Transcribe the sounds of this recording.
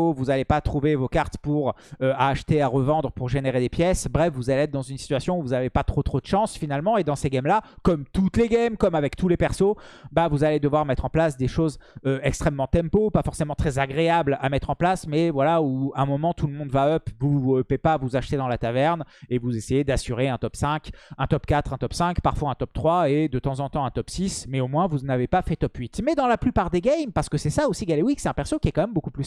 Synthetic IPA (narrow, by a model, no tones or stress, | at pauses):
vuzalepat̪χuvevokaʁt̪puʁøaʃt̪eaʁəvɑ̃d̪ʁəpuʁʒeneʁed̪epjɛsbʁɛfvuzaleɛt̪̚d̪ɑ̃zynsi̥t̪ɥasjɔ̃uvuzavepat̪χot̪χod̪əʃɑ̃sfinalmɑ̃ed̪ɑ̃seɡamlakɔmt̪ut̪leɡɛmkɔmavɛkt̪ʰulepɛʁsobavuzaled̪əvwaʁmɛt̪χɑ̃plasd̪eʃozøɛkst̪χɛmːɑ̃t̪ɛ̃mpopafɔʁsemɑ̃t̪χɛzaɡʁeablamɛt̪χɑ̃plasmɛvwalauɛ̃mɔmɑ̃t̪uləmɔ̃d̪vaœpvuœpepavuzaʃt̪ed̪ɑ̃lat̪avɛʁnevuzesejed̪asyʁeɛ̃t̪ɔpsɛ̃kɛ̃t̪ɔpkat̪χɛ̃t̪ɔpsɛ̃kpaʁfwaɛ̃t̪ɔp̚t̪χwaed̪ət̪ɑ̃zɑ̃t̪ɑ̃ɛ̃t̪ɔpsismɛomwɛ̃vunavepafɛt̪ɔpɥit̪mɛd̪ɑ̃laplypaʁd̪eɡɛjmpaʁsə̥kəsɛsaosiɡalewiksɛt̪ɛ̃pɛʁsokʲiɛkɑ̃mɛmbokuply